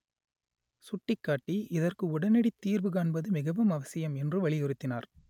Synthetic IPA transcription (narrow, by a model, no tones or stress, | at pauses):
sʊʈːɪkːaːʈːiʔɪðɐrkɯʊɽɐnɛɽit̪ːiːɾʋɯɣaːɳbɐðɯmɪɣɐʋɯmɐʋɐsɪjɐmɛndrɯʋɐɭɪjɪɾɯt̪ːɪna̰ːɾ